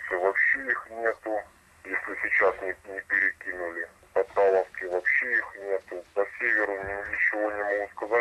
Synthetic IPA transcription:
vɐpɕːeixnʲe̞t̪ʊ | jesʲlʲɪsʲɪt͡ɕasnʲɪnʲɪpʲɪɾʲɪkʲinʊlʲɪ | pɐt̪alˠəfkʲɪvɐpɕːeixnʲe̞t̪ʊpɐsʲevʲɪɾʊnʲɪnʲɪt͡ɕːɪvo̞nʲɪmoɡut̪skɐza

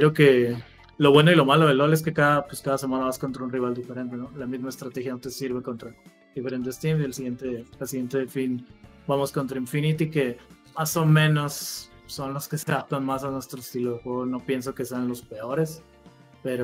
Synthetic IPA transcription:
eɾoke̞ | lo̞βwe̞no̞ilo̞malo̞ðelole̞s̬ke̞kaðapweskaðase̞manaβasko̞nt̪ɾaunriβald̪ife̞ɾe̞nt̪e̞no̞lamizmaest̪ɾat̪e̞xçjanot̪e̞siɾβe̞ko̞nt̪ɾa | ðife̞ɾe̞nt̪est̪imelsiɣje̞nt̪elasiɣje̞nt̪efin | bamo̞sko̞nt̪ɾaiɱfinit̪ike̞maso̞mẽ̞no̞sː | o̞nloske̞seaðap̚t̪anmasanwe̞st̪ɾoest̪ilo̞ð̞e̞xwe̞ɣ̞ono̞pje̞ns̬o̞ke̞se̞anlo̞spe̞o̞ɾe̞s | pe̞ɾo

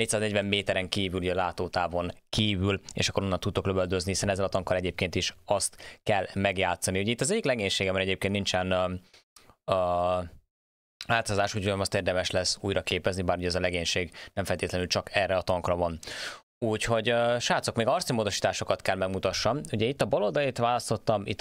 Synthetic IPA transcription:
neːc̚saːznɛɟvɛmːeːt̪ɛɾɛŋkiːvyluɟɛlaːt̪oːt̪aːvo̞nkiːvylḛʃɒkːoɾo̞nːɒnt̪ud̪t̪ːokløbøld̪øznihisɛnɛzːɛlɒt̪ɒŋkːɒlɛɟeːp̚keːnt̪iʃɒst̪kɛlmɛɡjaːt̪sɒniuɟɛit̪ːɒzɛɟːiklɛɡeːɲʃeːɡɛbɔɾɛɟeːp̚keːnt̪nint͡ʃɛn | vaːt̪sazaːʃuːcʰomɒst̪eːrd̪ɛmɛʃlɛsːuːjɾɒkeːpɛznibaːɾho̞ɟɛzɒlɛɡeːɲʃeːɡnɛɱfɛlt̪eːt̪lɛnylt͡ʃɒkʰɛrːɛɒt̪ɒŋkrɒvɒn | uːcho̞ɟʃaːt̪so̞kmeːɡɒɒrsimoːd̪o̞ʃi̥ːt̪aːʃo̞kɒt̪kɛlmɛɡmut̪ɒʃːɒmuɟɛit̪ːɒbɒlold̪ɒleːt̪ʋaːlɒst̪o̞t̪ːɒmḭt̪ː

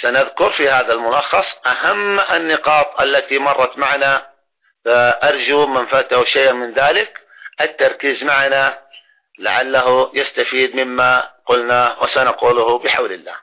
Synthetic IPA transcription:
sanaðkʊɾfihaːðalmʊlɑxːɑsˤʔahamːanːɪqɑːt̪ˤʔa̰lːat̪imɑrˤːɑt̪maʕna | faʔɑɾˤd͡ʒumanfaːt̪ahʊʃajʔamɪnðaːlɪk | ʔɪt̪ːɑɾˤkiːzmaʕana | la̰ʕalːaɦʊjast̪afiːd̪̚mɪmːaqʊlnaːhwɪsanaquːlʊhʊbɪħa̰wlɪ̰lːa̰ːh

